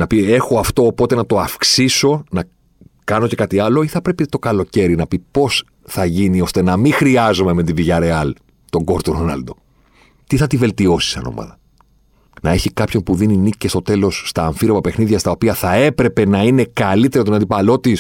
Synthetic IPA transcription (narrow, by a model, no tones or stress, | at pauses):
nɐpie̞xo̞ɐft̪o̞ːpo̞t̪enɐt̪o̞ɐfksiso̞nɐ | kɐno̞ce̞kɐt̪iɐlo̞iθɐpɾe̞pit̪o̞kɐlo̞ce̞ɾinɐpipo̞s | θɐʝinio̞st̪e̞nɐmixɾiɐzo̞me̞me̞t̪iviʝɐɾe̞ɐl | t̪o̞ŋɡo̞ɾt̪oɾonɐ̰ld̪o̞ | t̪iθɐt̪ive̞lt̪io̞si̥sɐ̰no̞̰mɐ̰ðɐ | nɐe̞çikɐpço̞npuðininicest̪o̞t̪e̞lo̞sːt̪ɐːɱfiɾo̞mɐpe̞xniðʝɐst̪ɐopiɐθɐe̞pɾe̞pe̞nɐine̞kɐlit̪e̞ɾot̪onɐnd̪ipɐlo̞t̪is